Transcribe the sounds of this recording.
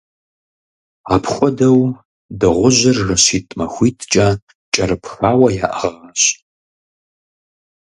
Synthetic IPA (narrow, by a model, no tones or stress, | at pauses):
aːpʰxʷɔdɐw | dɨʁʷʊʑɪrːɨɕiːtʼmɐxʷiːtʰt͡ʃʼɐ | t͡ʃʼɐɾɨpʰxaːwɐja̰ːʔɐʁaːɕʼ